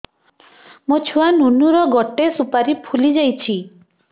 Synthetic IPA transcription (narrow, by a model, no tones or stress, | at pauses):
mot͡ʃʰuanunuɾɔɡɔʈesupaɾipʰulid͡ʒajt͡ʃʰi